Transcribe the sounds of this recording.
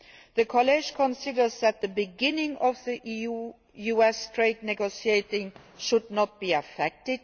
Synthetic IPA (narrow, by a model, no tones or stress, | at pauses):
ðəkʰɔlɛʒ̥kʰɔ̃nsɪdə˞zðæt̪̚ðəbɨɡɪ̃nɪ̃ŋɔvðiʔiu | juɛstʰɹ̥eɪd̚ⁿnɛɡoʊsieɪtɪ̃ŋ | ʃʊdⁿnət̚b̥iɨfɛk̚tɪd̥̚